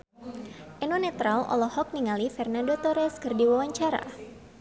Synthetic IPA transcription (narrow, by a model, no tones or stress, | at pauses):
ʔɛnwanɛt̪ɾalɔ̰lɔhɔk̚niŋalifɛrnandot̪ɔɾɛskɨrdiwawaɲt͡ʃaɾa̰